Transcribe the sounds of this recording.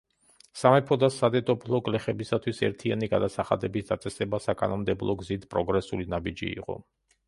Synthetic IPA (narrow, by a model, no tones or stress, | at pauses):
samɛpʰɔd̪asad̪ɛt̪ʼɔpʰlˠɔɡlɛχɛbisat̪ʰwisɛ̰ɾt̪ʰianiɡad̪asaχad̪ɛbisd̪at̪sʼɛsɛbasakʼa̰nɔmd̪ɛblˠɔɡzit̪ʰpʼɾɔɡɾɛsulinabid͡ʒḭːqʼɔ̰